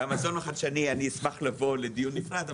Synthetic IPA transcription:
amazonaχad̪ʃanianiismaχlavo̞led̪ijunːifʁad̪a

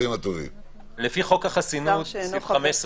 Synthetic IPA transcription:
imat̪ovḭm | lefiχo̞kaχasinut̪vχames

